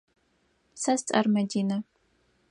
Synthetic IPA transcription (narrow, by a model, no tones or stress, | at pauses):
sɐst͡sʼɐ̰rmɐdiːnɐ